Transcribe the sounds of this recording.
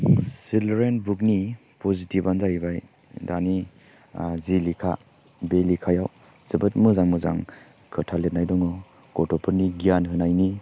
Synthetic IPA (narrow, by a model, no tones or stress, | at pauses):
silɾenbuk̚ni | pɔzitibanzaibaj | dani | zilikʰa | belikʰajaw | z̥ɯbɯt̚mɯzaŋmɯza̰ŋ | kʰɯtʰalet̚najdɔŋɔ | kɔtɔpʰɯɾniɡijanɦɯnajni